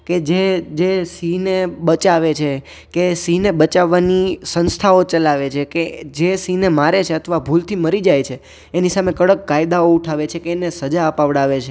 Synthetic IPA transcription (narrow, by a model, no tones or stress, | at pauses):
ked͡ʒed͡ʒesineɓət͡ʃaʋet͡ʃʰe | kesineɓət͡ʃaʋːanisənst̪ʰaot͡ʃəlaʋet͡ʃʰeked͡ʒesinemaɾet͡ʃʰeət̪ʰʋabʱult̪ʰiməɾid͡ʒajt͡ʃʰeː | nisamekəɽəkːajd̪aouʈʰaʋet͡ʃʰekeːnesəd͡ʒaəpaʋɽaʋet͡ʃʰe